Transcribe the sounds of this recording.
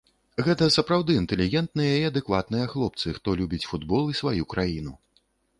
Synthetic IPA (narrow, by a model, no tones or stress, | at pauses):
ɣɛt̪ɐsɐpɾawd̪ɨint̪ɛlʲiɣʲɛnt̪nɨjɐiɐd̪ɛkvat̪̚nɨjɐxlˠɔp̚t̪sɨxt̪ɔlʲubʲit͡sʲfud̪bɔlˠisvajukɾʔajinu